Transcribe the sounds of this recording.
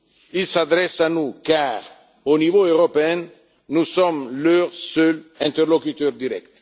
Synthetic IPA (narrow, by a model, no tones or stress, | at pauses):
ilsad̪ʁɛsanukaːʁ | onivoøʁɔpeɛ̃nː | usɔmløʁsœlɛ̃nt̪ɛʁlɔkyt̪œʁd̪iʁɛ̰kt̪